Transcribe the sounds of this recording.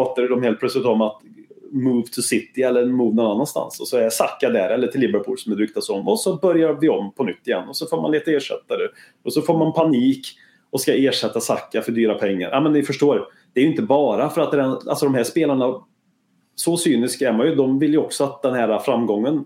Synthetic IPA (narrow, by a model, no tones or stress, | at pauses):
ɑːt̪aɾəd̪ɔmheːlt̪̚pʰlœtslɪt̪ɔmat̪ | muːvt̪ʰɵsɪt̪ːɪɛlːəmuːvnɔnanːanst̪a̰nsɔsɔɛsakːad̪ɛ̰ɾɛlːəʈʰɪlːɪbəɾpʰṵːlsɔmɛd̪ɾʏk̚t̪asɔmːɔsɔbœɾjaɾvɪɔmpʰɔnʏt̪ːɪjɛ̰nːɔsɔfoːɾma̰nleːt̪aeːʂɛ̰t̪ːad̪ɛ | ɔsɔfoːɾmanpʰaniːk | ɔskaeːʂɛt̪ːasakːafœɖyːɾapʰɛŋːa̰ɾʔamɛnnɪfœʂʈoːɾ | d̪̥ɛɾjɵɪnt̪əbɑːɾafœɾat̪̚d̪ɛɛna̰lsɔd̪ɔmɦæʂpeːlaɳa | sɔsyːnɪskæɾmanjɵd̪ɔmvɪljɵɔksɔat̪̚d̪ɛnhæːɾafɾamːɡɔŋːən